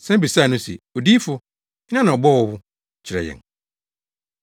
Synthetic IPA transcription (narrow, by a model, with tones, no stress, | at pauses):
sɛ̃˦bi˨saː˦˨nʊ̃˦sɛ̰˨o˨di˦fʊ˦ | nã˦nã˨ɔ˨bɔ˦˨wɔ˦wʊ˦ | t͡ɕʰɪ˨ɾɛ̰˨jɛ̰̃˨n